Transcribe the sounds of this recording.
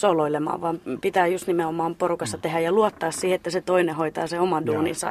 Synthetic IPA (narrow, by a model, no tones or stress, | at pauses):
soloilemɑ̰ːʋʋɑːmpit̪æːjust̪nimeomɑːmporukɑsːɑt̪ehæjɑluot̪ːɑːssiːhet̪ːæset̪oinehoit̪ɑːseomɑduːnḭsɑ̰